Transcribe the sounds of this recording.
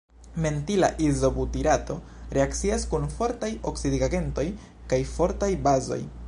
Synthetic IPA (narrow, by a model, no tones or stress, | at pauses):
me̞ntilaʔizo̞butiɾato̞ | ɾe̞akt͡siaskunfo̞ɾtajo̞ksidiɡaɡe̞nto̞j | kajfo̞ɾtajbazo̞̰j